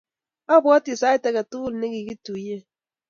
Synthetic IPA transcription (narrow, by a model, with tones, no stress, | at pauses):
a˦bʊ˨ɔ˦ti˨sa˦ɪ˦te˨ka˨tu˦lne˦ɡi˨ɡi˦tu˨˦je˦